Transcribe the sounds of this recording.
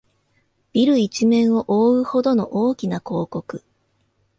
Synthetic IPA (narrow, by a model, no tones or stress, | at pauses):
b̥ʲiɾɯ̟it͡ɕimẽ̞ɰ̃o̞ʔoːɯ̟ho̞d̪o̞no̞ʔoːkʲinako̞ːko̞kɯ̟